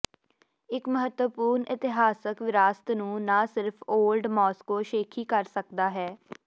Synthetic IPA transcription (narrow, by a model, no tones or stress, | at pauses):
ɪkməɦət̪wəpuːɾnʔɪt̪ɪɦaːsəkʋɪɾaːst̪nũːnãːsɪɾfʰoːlɖmɔːskoːʃeːkʰiːkəɾsək̚d̪aːɦɛː